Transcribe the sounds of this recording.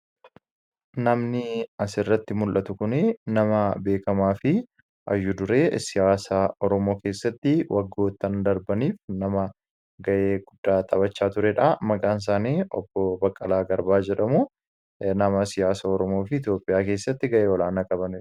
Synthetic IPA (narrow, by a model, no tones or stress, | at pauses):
nɐmnɪɐsɪrːɐt̪ːɪmʊlʔɐt̪ʊkʊnɛnɐmɐbe̞ːkɐmaːfɪ | ʔɐjːʊd̪ʊɾe̞ːsɪjaːsaːɔɾɔmo̞ːke̞ːsːɐt̪ːɪwʔɐɡːoːt̪ːɐnd̪ɐɾbɐniːfnɐmɐ | ɡɐʔe̞ːɡʊd̪ːaːt̪ʼɐbɐt͡ʃːaːt̪ʊɾɛᶑɐmɐɡaːns̬aːniːɔ̰bːɔbɐkʼːɐlaːɡɐɾbaːd͡ʒɛᶑɐmʊ | nɐmɐsɪjaːsaɔɾɔmo̞ːfɪɪt̪jo̞ːpʼɪjaːke̞ːsːɐt̪ːɪɡɐʔeːwɔlaːnɐkʼɐbɐnɪ